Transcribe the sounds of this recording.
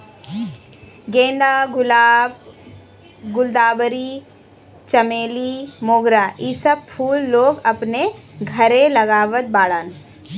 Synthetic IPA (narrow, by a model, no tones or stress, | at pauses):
ɡẽːnd̪aːɡʊlaːb | ɡʊld̪aːbɾi | t͡ʃɐmeːlimoːɡɾaːʔisəb̚pʰuːlːoːɡɐpneɡʱɐɾẽlɐɡaːʋət̪̚baːɽaːn